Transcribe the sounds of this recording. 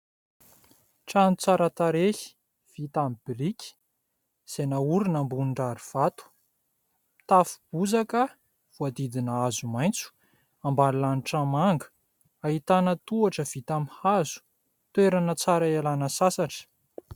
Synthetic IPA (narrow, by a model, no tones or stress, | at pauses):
ʈ͡ʂanut͡saɾət̪aɾehi̥ | v̥it̪amib̥iɾikʲi̥ | z̥enauɾinambunɳɖ͡ʐaɾiv̥at̪u̥ | t̪afu̥b̥uzakə | v̥uad̪id̪inəazumajnt͡su̥ | ambaɾilaniʈ͡ʂamaŋɡə̥ | aɦit̪anət̪uaʈ͡ʂəv̥it̪amihazu̥ | t̪weɾanət͡saɾaalanəsasaʈ͡ʂə̥